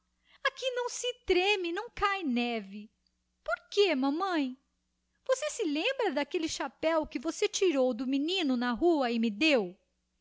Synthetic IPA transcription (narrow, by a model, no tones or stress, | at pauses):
akinɐ̃w̃sɪt̪ɾẽmɪnɐ̃w̃kajnɛvɪ | poɾkemɐ̃mɐ̃j̃ | v̥osesɪlẽmbɾɐd̪akelɪʃapɛwkɪvoset͡ʃiɾowd̪ʊminĩnʊnɐɦuɐɪmɪd̪ew